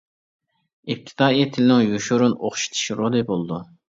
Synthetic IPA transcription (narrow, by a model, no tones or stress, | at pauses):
ip̚t̪ʰɪ̥t̪ʰɑːit̪ʰɪlɪnɪŋjuʃuɾunoχʃi̥t̪ʰi̥ʃɾod̪ɨbolˠd̪u